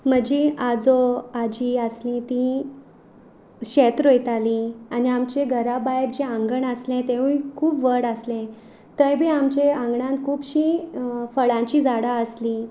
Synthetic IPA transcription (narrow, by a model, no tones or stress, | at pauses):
m̤əd͡ʑiad͡zoad͡ʑiəslĩt̪ĩ | ɕet̪ɾojt̪alianiamt͡ɕeɡʱəɾabajeɾd͡ʑeãŋɡəɳəslẽt̪ẽʋuikʰuːpʋəɽəslẽ | t̪ə̃jbʱiːamt͡ɕeãŋɡɳãnkʰuːpɕifəɭãɲt͡ɕiːd͡zaɽaəsli